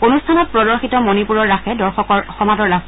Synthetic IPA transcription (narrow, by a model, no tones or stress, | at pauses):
onustʰanɔt̚pɹɔdɔɹxitɔmonipuɹɔɹːaxɛdɔɹxɔkɔɹxɔmadɔɹɹa